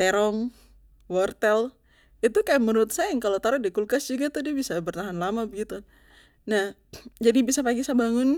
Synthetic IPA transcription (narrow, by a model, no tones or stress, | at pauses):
t̪ɛɾɔŋ | wɔrt̪ɛl | it̪ukajaməɾuʊt̪̚saɪŋkalot̪aɾʊdikulkasd͡ʒuɡat̪ʊdiabisabərt̪aɦanlamabəɡit̪u | nah | d͡ʒadibisapaɡisabaŋʊn